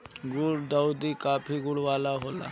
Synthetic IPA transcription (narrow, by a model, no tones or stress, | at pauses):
ɡʊɽd̪aːud̪ikaːpʰiɡʊɽʋaːlaɦoːla̰ː